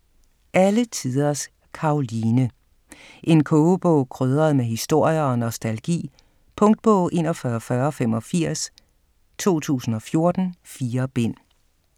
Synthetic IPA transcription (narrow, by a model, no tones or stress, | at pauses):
ʔælət͡sʰið̞ˠɐs | kʰɑ̈oliːnə | ʔe̝nkʰɔːb̥ɔ̰ʊ̰kʰʁøːð̞ˠʁɐð̩ˠmeɦisd̥o̝ɐ̰jɐɒ̽nɒsd̥ælɡ̥ḭː | pʰɔ̽ŋd̥̚b̥ɔʊ̰ʔe̝nɒ̽fɶːɐɒfɶːɐɒ̽fem̰ɒ̽fiɐ̰s | t͡sʰo̝̰ːt͡sʰṵːsn̩ɒ̽fjo̝ɐd̥n̩fiːɐb̥en̰